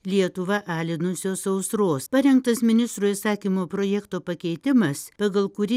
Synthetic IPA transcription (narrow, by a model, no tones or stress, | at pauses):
lʲiɛt̪ʊʋɐʔɑːlʲɪnʊsʲoːsɐʊsɾoːspɐɾʲɛŋk̚t̪ɐsmʲɪnʲɪst̪ɾuːɪsɑːkʲimoːpɾoːjɛkt̪oːpɐkʲɛɪt̪ʲɪmɐspɐɡɐlˠkʊɾʲɪ